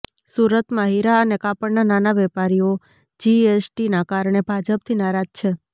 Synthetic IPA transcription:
suɾət̪mãɦiɾaənekapəɽnananaʋɛpaɾijo | d͡ʒiesʈinakaɾɳ̃ebʱad͡ʒəp̚t̪ʰinaɾad͡ʒt͡ʃʰe

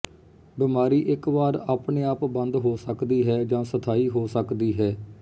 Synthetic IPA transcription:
bɪmaːɾiːʔɪkʋaːɾaːpɳeːaːpbənd̪ɦoːsəkd̪iːɦɛːd͡ʒãːsət̪ʰaːiːɦoːsəkd̪iːɦɛː

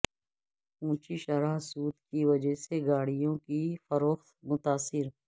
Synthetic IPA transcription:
ũːt͡ʃiʃəɾaːɦsuːt̪kiʋəd͡ʒəɦseɡaːɽɪjõkifəɾoːxt̪mʊt̪aːsɪɾ

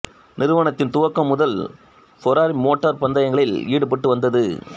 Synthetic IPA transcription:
nɪɾɯʋɐɳɐt̪ːɪnt̪ʊʋɐkːɐmːʊðɐl | fɔɾaːɾimoːʈːɐɾpɐnd̪ɐjɐŋɡɐɭɪliːɽɯpɐʈːɯʋɐnd̪ɐðɯ

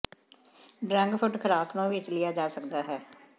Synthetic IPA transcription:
ɖɾɛ̃ŋɡpʰʊʈkʰəɾaːkʰnõːʋɪt͡ʃlɪjaːd͡ʒaːsəkd̪aːɦɛː

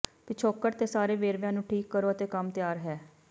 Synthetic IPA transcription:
piːt͡ʃʰoːkːəʈt̪eːsaːɾeːʋeːɾʋjãːnũːʈʰiːkːəɾoːət̪eːkəmt̪jaːɾɦɛː

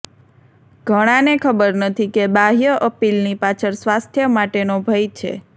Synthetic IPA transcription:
ɡ̥ʱəɽ̃ãnekʰəbəɾnət̪ʰikebaɦijəʔəpilnipat͡ʃʰəɾsʋast̪ʰjəmaʈenobʱəjt͡ʃʰḛ

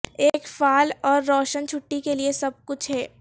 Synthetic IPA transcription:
eːkfaːlɔːɾːɔːʃənt͡ʃʰʊʈːikeliesɐb̚kʊt͡ʃʰɦɛː

